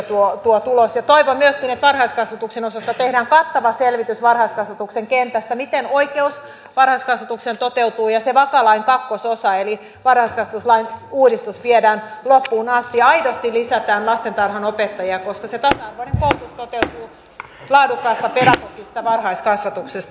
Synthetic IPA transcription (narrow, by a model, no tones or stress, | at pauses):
t̪uot̪uot̪ulosjɑt̪oiʋommyøskinet̪ʋɑrhɑiskɑsʋɑt̪uksenosɑst̪ɑt̪ehdæːŋkɑt̪ːɑʋɑselʋit̪ysʋɑrhɑiskɑsʋɑt̪ukseŋkent̪æst̪æmit̪enoikeus | ʋɑrhɑiskɑsʋɑt̪uksent̪ot̪eut̪uːjɑseʋɑkɑlɑiŋkɑkːososɑeli | ʋɑrhɑiskɑsʋɑt̪uslɑinuːdist̪usʋiedæːnlopːuːnɑst̪iɑidost̪ilisæt̪æːnlɑst̪ent̪ɑrhɑnopet̪ːɑjiɑkoskɑset̪ɑsɑɑrʋoineŋkout̪ust̪ot̪eut̪uː | lɑːdukːɑist̪ɑpeɾɑk̪okːisi̥t̪æʋɑrhɑiskɑsʋɑt̪uksest̪ɑ